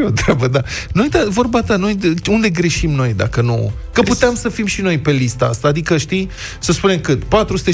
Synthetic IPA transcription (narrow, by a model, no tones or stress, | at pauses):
ot̪ɾabəd̪anojd̪avo̞rbat̪ano̞jund̪e̞ɡɾe̞ʃimno̞jd̪a̰kəno̰ | kəput̪eamsəfimʃino̞jpe̞list̪əa̰st̪aːd̪ikəʃt̪i | səspune̞mkɨt̪pat̪ɾusɨt̪e